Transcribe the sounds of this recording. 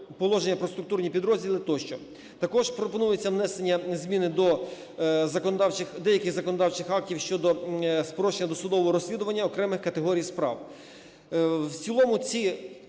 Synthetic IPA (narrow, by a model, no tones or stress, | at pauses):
pɔlˠɔʒenʲːɐpɾɔst̪ɾʊk̚t̪urnʲipʲid̪ɾɔzʲdʲilˠɪt̪ɔʃt͡ʃɔ | t̪ɐkɔʒpɾɔpɔnujet͡sʲːɐʋnɛsenʲːɐzʲmʲinɪd̪ɔ | zɐkɔnd̪ɑwt͡ʃɪxd̪ɛjɐkɪɣzɐkɔnɔd̪ɑwt͡ʃɪxɑk̚tʲiwʃt͡ʃɔd̪ɔspɾɔʃenʲɐd̪ɔsʊd̪ɔʋɔɦɔɾɔsʲlʲid̪ʊʋɐnʲːɐɔkɾɛmɪxkɐt̪eɦɔɾʲijspɾɑ̰w | wt͡sʲilˠɔmʊt͡sʲi